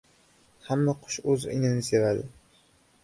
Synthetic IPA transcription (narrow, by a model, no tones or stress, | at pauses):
hamːaqʰʊ̥ʃɵzɪ̰nɪnɪse̞vad̪ɪ